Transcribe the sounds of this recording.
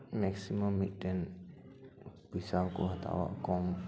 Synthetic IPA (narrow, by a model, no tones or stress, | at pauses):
mɛksiməmːiʈːen | pisawko̰ɦət̪ʰa̰ʋa̰ʔkɔm